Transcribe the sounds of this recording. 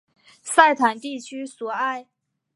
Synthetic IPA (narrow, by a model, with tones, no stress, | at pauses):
sa˥˩ɪt̪ʰa˨˩nt̪i˥˩t͡ɕʰy˥swɔ˨˩a˥˩ɪ